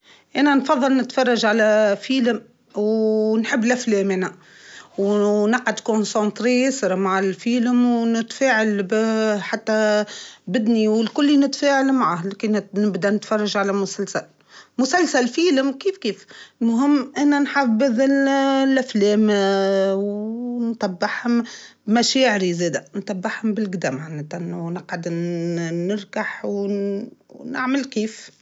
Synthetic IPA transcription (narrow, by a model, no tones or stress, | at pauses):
ʔænænfɑðˤːɑlnɪt̪fɑrˤːɑʒʕalæfiːləm | wnħəbːɪlʔæflɛːmʔænæ | wnɑqʕad̪konsɑ̃nt̪ˤɾiɪsɾˤmaʕɪlfiːləmwnɪt̪fæːʕalbħat̪ːæ | bɪd̪niwɪlkʊlːinɪt̪fæːʕalmaʕahlkinɪbd̪ænɪt̪fɑrˤːɑʒʕalæmʊsælsæl | mʊsælsælfiːlɪmkiːfkiːflmʊɦɪmːʔænænħaːfbɪðɪlʔæflɛːm | wnt̪ˤɑbːɪħhʊmbmæʃɛːʕɪɾizeːd̪ænt̪ˤɑbːɪħhʊmbɪlɡd̪æːmʕanːet̪ʔnːnɪqʕad̪ | nɪɾˤkaħw | nɪ̰ʕməlkiːf